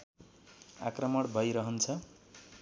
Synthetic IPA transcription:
a̰krʌmʌɽbʱʌjɾʌɦʌnt͡sʰʌ

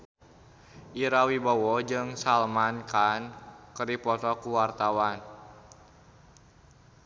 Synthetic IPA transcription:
ʔiɾawibɔwɔd͡ʒɨŋsalmankankəɾipɔt̪ɔkuwart̪awan

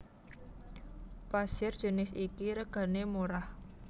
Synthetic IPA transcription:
pasɪrd̥ʒ̥ə̤nɪsikiɾəɡ̥a̤nemuɾah

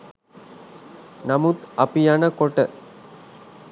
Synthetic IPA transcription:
namut̪apijanəkoʈə

